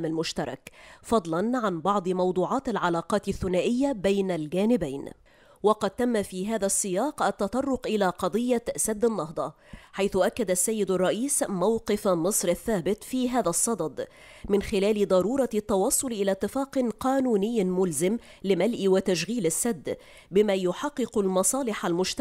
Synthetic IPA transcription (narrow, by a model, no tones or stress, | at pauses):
malmʊʃt̪ɑɾˤɑ̰kfɑd̪ˤlɑnʕanbɑʕd̪ˤɨmɑwd̪ˤuːʕɑːt̪alʕalɑːqɑːt̪ɪθːʊnaːʔɪjːabajnalɡaːnɪbajn | wɑqɑd̪̚t̪amːafiːɦaːðasːɪjɑːqʔat̪ːɑt̪ˤɑrˤːʊqʔɪlaːqɑd̪ˤɨjːasad̪ːanːɑɦd̪ˤɑ | ħajθʊʔakːad̪asːajːɪd̪ɑrˤːɑʔiːsmawqɨfmɨsˤɾaθːaːbɪt̪fiːɦaːðasˤːɑd̪ˤɑd̪ˤ | mɪnxɪlaːlɪd̪ˤɑɾuːɾˤɑt̪ːɑwɑsˤːʊlʔɪlat̪ːɪfɑːqnqɑːnuːnɪjːmʊlzɪm | lɪmalʔwat̪aʃɣiːlasːad̪ː | bɪmajʊħɑqːɨqʊlmɑsˤɑːlɪħalmʊʃt̪